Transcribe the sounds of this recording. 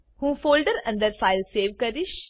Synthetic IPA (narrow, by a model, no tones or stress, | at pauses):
hũːfoːlɖəɾɐ̃nd̪əɾfaɪlseːʋkəɾiʃ